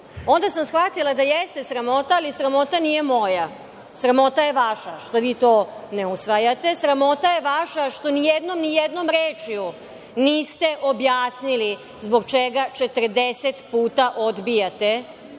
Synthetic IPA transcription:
o̞nd̪asamsxʋat̪ilˠad̪ajest̪e̞sɾamo̞t̪aːlisɾamo̞t̪anije̞mo̞ja | sɾamo̞t̪aje̞ʋaʃaʃt̪o̞ʋiːt̪o̞ːneusʋajat̪e̞sɾamo̞t̪aje̞ʋaʃaʃt̪o̞nijed̪no̞mnijed̪no̞mɾeːt͡ʃju | niːst̪e̞ʔo̞bjaːsnili | zboɡt͡ʃeɡat͡ʃe̞t̪r̩d̪eset̪puːt̪aʔod̪bijat̪e̞

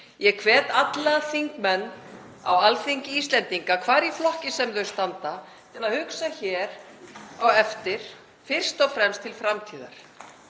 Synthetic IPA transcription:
jɛkʰvɛːt̪at̪laθiŋkmɛnː | a̰walfiɲcɪiːst̪lɛnt̪iŋkakʰvaːɾiflɔhcɪsɛmðœɥst̪ant̪a | t̪ʰɪlaðhʏksaçɛːɾ | awɛft̪ɪɾ̥ | fɪr̥st̪ɔfɾɛmst̪ʰːɪlfɾamt̪ʰiːða̰ɾ̥

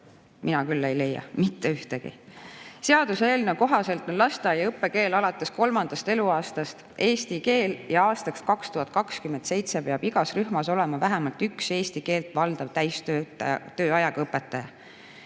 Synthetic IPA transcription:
mʔinɑkylːe̞jle̞jːɑ̰mit̪ːeyht̪eɡ̥ḭse̞ɑd̪̥useeːlneokoɦɑse̞lt̪ːˑo̞nlɑst̪ɑjɑɤpːe̞ke̞ːlɑlɑt̪ːˑe̞sko̞lmɑnd̪̥ɑst̪e̞luɑːst̪ɑst̪ | ʔe̞ːst̪ike̞ːljɑɑːst̪ɑkskɑkst̪uhɑt̪̚ːˑkɑkskymend̪sejt̪se̞peɑb̥iɡ̥ɑsryhmɑso̞le̞mɑvæɦæmɑlt̪ykse̞ːst̪ike̞ːlt̪ˑvɑld̪̥ɑv̥t̪æjst̪øːt̪ːt̪øːɑjɑɡ̥ɤpːˑet̪ːˑɑjɑ

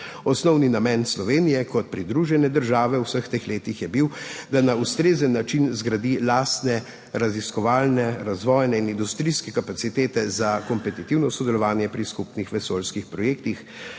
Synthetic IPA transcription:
ɔsnɔwninamɛnslɔʋeːnijɛkɔt̪̚pɾid̪ɾuːʒɛnɛd̪əɾʒaːʋɛuwsəxt̪eːxleːt̪ixjɛbiwd̪anaust̪ɾeːzənːat͡ʃinzɡɾad̪ilaːst̪nɛ | ɾaziskɔʋaːlnɛɾazʋɔːjnɛinind̪ust̪ɾiskɛkapat̪sit̪eːt̪ɛzakɔmpɛt̪it̪iwnɔsɔd̪ɛlɔʋaːnjɛpɾiskupnixʋɛsoːlskixpɾɔjeːkt̪ix

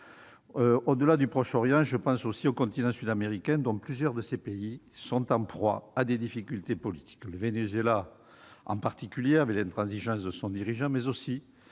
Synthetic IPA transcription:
øod̪əlad̪ypχɔʃɔʁjɑ̃ʒəpɑ̃sosiokɔ̃nt̪inɑ̃syd̪ameʁikɛ̃d̪ɔ̃plyzjœʁd̪əsepeisɔ̃t̪ɑ̃pχwa̰ad̪ed̪ifikʲylt̪epɔlit̪ʰi̥kləvenezɥela | ɑ̰̃paʁt̪ikʲyljeavɛklɛ̃nt̪χɑ̃ziʒɑ̃sd̪əsɔ̃d̪iʁiʒɑ̃mɛzosi

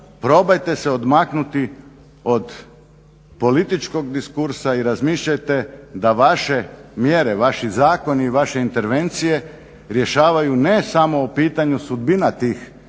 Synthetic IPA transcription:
pɾo̞bajt̪e̞seod̪maknut̪i | o̞d̪ | po̞lit̪it͡ʃko̞ɡd̪iskuɾsaiɾazmiːʃʎajt̪e̞d̪aʋaʃe̞mjeɾe̞ʋaʃizaːko̞niːʋaʃe̞int̪e̞ɾʋe̞nt̪sije̞ | ɾje̞ʃaːʋajunesamo̞ːpiːt̪aɲusud̪binat̪iːx

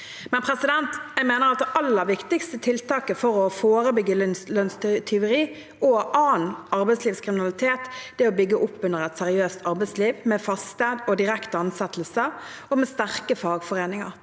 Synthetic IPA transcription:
mɛnpʰɾɛsɪd̪ɛnt̪jæɪmeːnəɾɑt̪̚d̪ɛʔɑlːəɾʋɪkt̪ɪkst̪ət̪ʰɪlt̪ʰɑːkəfɔʁɔfoːɾəbʏɡːəlœnst̪ʰɪʊɾiː | ɔʔɑːnɑʁbɛɪsliːʋskʰɾɪmɪnɑlɪt̪ʰeːt̪d̪̥ɛɔbʏɡːəʔʊpːʉnəʁɛt̪sɛɾɪøːst̪ʰɑʁbɛɪsliːʋmɛfɑst̪ɛːd̪ɔd̪ɪʁɛkt̪əɑnsɛt̪əl̩sə | ɔmɛst̪æʁkəfɑːɡfɔʁeːnɪŋə̰ɾ

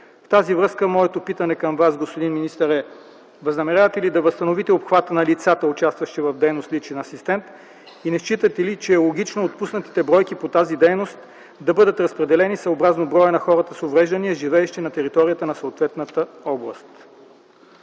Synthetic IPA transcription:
ft̪azivɾɤskəmɔɛt̪opit̪ɐnɛkɐmvasɡospod̪inminist̪əɾɛ | vəznɐmɛɾʲavɐt̪ɛlid̪ɐvəst̪ɐnovit̪ɛopxvat̪ənɐlit̪sat̪əʊt͡ʃast̪vɐʃt̪ivɐvd̪ɛjnost̪lit͡ʃɛnɐsist̪ɛnt̪ | inɛʃt͡ʃit̪ət̪ɛlit͡ʃɛːlˠoɡ̟it͡ʃnoːt̪pusnət̪i̥t̪ɛbɾɔjkipot̪azid̪ɛjnost̪ | d̪ɐbɤd̪ət̪ɾɐspɾɛd̪ɛlɛnisɐobɾaznobɾɔjənɐxɔɾət̪əsovɾɛʒd̪əniəʒivɛːʃt̪inɐt̪ɛɾit̪ɔɾijət̪ənɐsoot̪vɛt̪nət̪əɔblˠə̰st̪

